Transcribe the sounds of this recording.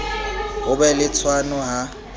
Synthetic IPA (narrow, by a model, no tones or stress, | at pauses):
ɦʊbɛlɪt͡sʰwanɔɦa